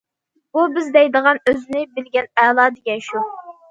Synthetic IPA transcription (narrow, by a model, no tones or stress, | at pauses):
b̥ubɪzd̪ɛjd̪əʁɑnøzɪnɪbɪlɡʲɛnɛːlˠɑːd̪ɪɡʲɛnʃu